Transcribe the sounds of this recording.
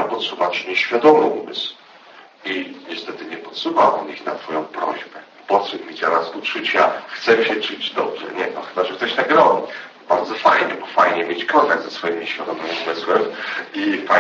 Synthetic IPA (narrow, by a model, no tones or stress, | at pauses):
apɔt̪suvat͡ɕɲɛɕfʲjad̪ɔmɘumɘsw | iɲɛst̪ɛt̪ɘɲɛpɔt̪suvawʔɔ̰nixnat̪fɔjɔ̃w̃pɾɔ̰ʑbɛ | pɔt̪ʂɛpmʲid̪aɾasut͡ʂut͡ɕjaxt̪sɛmɕɛt͡ʂud͡ʑd̪ɔbʐɛ̰ɲɛt̪ɔxɘbaʐɛkt̪ɔɕnaɡɾɔmʲi | baɾd̪zɔfajɲɛbɔfajɲɛmʲjet͡ɕkɔnt̪aɡd̪zasfɔjimɲeɕfʲjad̪ɔmɘmumɘswɛmifa